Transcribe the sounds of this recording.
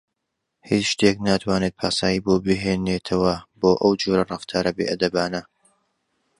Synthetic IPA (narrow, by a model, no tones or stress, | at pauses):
hit͡ʃʃt̪ʰeknat̪ʰwaːnet̪̚pʰaːsaːjiːbobɨɦeːneːt̪ʰɐwɐboːʔɐwd͡ʒoɾɐrˤɑft̪ʰaːɾɐbeʔɐd̪ɐbaːnɐ